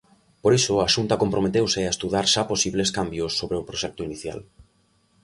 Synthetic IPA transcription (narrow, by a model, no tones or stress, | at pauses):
poɾisʊaʃunt̪akompɾomet̪ewseaest̪uðaɾʃaposiβleskambjʊsːoβɾeʊpɾoʃɛk̚t̪oiniθja̰l